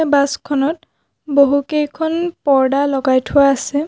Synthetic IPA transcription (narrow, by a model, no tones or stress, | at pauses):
baskʰɔnɔt̚ | boɦukejkʰɔnpɔɹdalɔɡajtʰʊwaːsɛ